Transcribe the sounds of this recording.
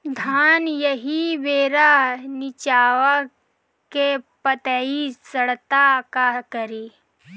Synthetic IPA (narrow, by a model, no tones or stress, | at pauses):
d̪ʱaːnjəɦiʋeːɾanɪt͡ʃaːwa | kepət̪əːisəɽt̪akakəɾiː